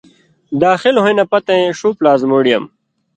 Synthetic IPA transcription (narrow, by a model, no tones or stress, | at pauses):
d̪aːxilɦoĩnɐpɐt̪ẽʂuːplaːzmoːɽijɐ̰m